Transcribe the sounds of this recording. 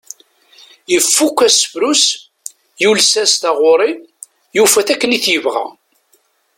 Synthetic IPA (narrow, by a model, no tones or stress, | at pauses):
jəfːukʷːæsəfɾus | julsæst̪æʁʊɾˤi | jufæθækːəniθjəvʁæ̰